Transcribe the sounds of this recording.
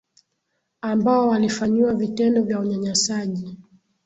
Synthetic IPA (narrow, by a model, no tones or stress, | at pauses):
ambaɔwalifaɲiwavitɛndɔvjauɲaɲasaʄi